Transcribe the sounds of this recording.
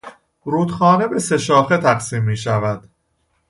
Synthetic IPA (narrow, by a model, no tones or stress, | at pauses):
ɾuːd̪xɒːne̞be̞se̞ʃɒːxet̪ʰæqsiːmːiːʃævæd̪̥